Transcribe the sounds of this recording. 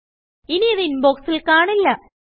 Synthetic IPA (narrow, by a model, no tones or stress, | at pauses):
iniɐðinboksilkaːɳilːɐ